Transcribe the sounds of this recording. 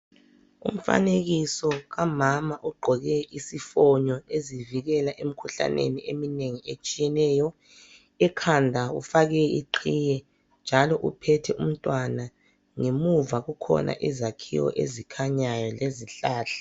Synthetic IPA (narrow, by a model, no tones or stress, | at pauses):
um̩fa̰neɣisɔɣamamaʔuɡ͡ǃʱɔɣɛʔisifɔɲɔeziviɣɛlaʔem̩kʰuɬa̰nʔḛniemineŋiet͡ʃʼijɛnɛːjɔ | ɛkʰandʱaṵfaɣɛiǃʰiːjɛ | nd͡ʒʱalɔʔupʰɛtʰɛʔum̩tʼwana | ŋemuvaɣukʰɔ̰nʔa̰ʔizakʰḭwɔ̰ʔḛzikʰaɲajɔleziɬaːɬḁ